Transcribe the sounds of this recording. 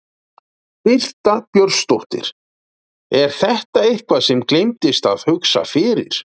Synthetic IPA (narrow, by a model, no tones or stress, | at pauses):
pɪl̥t̪apjœɾst̪oht̪ɪ̰ɾ̥ | ɛɾ̥θɛht̪aehkvasɛmklejmt̪ɪst̪aðhʏksa̰fɪːɾɪ̰ɾ̥